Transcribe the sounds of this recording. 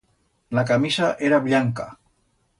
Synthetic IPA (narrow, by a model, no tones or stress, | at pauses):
lakamisaʔeɾaβʎaŋka̰